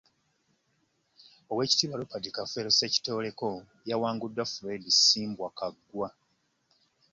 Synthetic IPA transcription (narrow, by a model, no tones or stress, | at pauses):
o̞we̞ːci̥tiːβalupadikafeɾoseci̥to̞ːle̞ko̞ | jawaːŋɡudːafuɾe̞disiːmbwakaɡːwa